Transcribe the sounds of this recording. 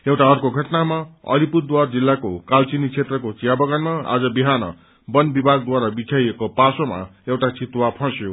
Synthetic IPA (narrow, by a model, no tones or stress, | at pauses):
ewʈaʌrkoɡʱʌʈnamaʌ̰liput̪d̪ward͡zilːakokalt͡sinit͡sʰet̪rʌkot͡sijabʌɡanmaa̰d͡zʌbiɦanʌ̰ | bʌnbibʱaɡ̚d̪waɾabitʰajekopasoma̰ewʈat͡sit̪wapʰʌ̃sjo